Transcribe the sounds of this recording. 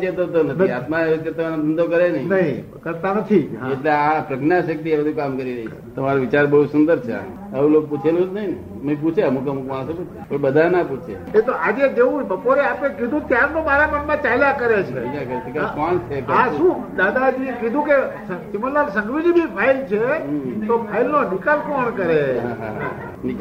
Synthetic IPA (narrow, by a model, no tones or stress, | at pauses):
t͡ʃet̪ot̪̬onət̪iat̪mat̪et̪əmanod̪ʱənd̪ʱokəɾenəɦĩnəɦĩ | kəɾt̪anət̪ʰiɦaeʈleapɾəkʰnaʃək̚t̪iabəd̪ʱũkamkəɾiɾəɦit͡ʃʰe̥t̪əmaɾoʋit͡ʃaɾbəɦusund̪əɾt͡ʃʰḛa̰ | əũlok̚put͡ʃʰelũd͡ʒnəɦin | məĩp̬ut͡ʃʰeəmukəmukmaɽ̃soput͡ʃʰepəɳbəd̪ʱanaput͡ʃʰḛ | et̪oʔad͡ʒed͡ʒeũbəpoɾeapekid̪ʱũt̪jaɾnõmaɾaməɳmãt͡ʃailakəɾet͡ʃʰeid͡ʒakəɾet̪əkakont͡ʃʰekãʃũd̪ad̪ad͡ʒiekid̪ʱũkesət͡ʃimələlsə̃ŋɡʋid͡ʒibipʰailt͡ʃʰet̪opʰailnonikalkɔɳkəɾeɦaɦaɦa̰ | nik